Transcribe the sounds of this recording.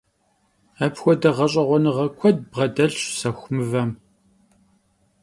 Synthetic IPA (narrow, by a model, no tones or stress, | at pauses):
ɐpxʷɔdɐʁɐɕʼɐʁʷɔnɨʁɐkʷʰɔd̚bʁɐdɐɮɕsɐxʷmɨvɐm